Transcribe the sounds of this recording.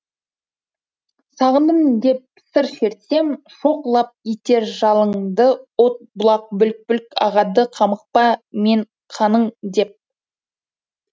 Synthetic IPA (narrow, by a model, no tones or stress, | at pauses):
sɑʁənd̪əmd̪e̞p̚ːsəɾʃe̞ɾt̪se̞m | ʃo̞qlˠɑp̚it̪e̞ɾʒɑlˠəɴd̪əwot̪̚bʊlˠɑq̚bʏlk̚pʏlkɑʁɑd̪əqʰɑməq̚pɑme̞ɴ | qʰɑnəɴd̪e̞p̚